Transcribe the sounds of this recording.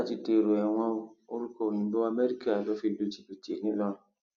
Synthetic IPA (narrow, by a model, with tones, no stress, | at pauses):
a˦˨ti˧˦te˧˨ɾo˨ɛ˨w̃ɔ̃˧o˧o˦ɾu˦ko˦˨nĩ˨˦bo˦a˧me˦ɾi˦ka˦˨lo˨˦fi˦˧˨du˨˦ti˨bi˨tːnĩ˦lɔ˦ñ˦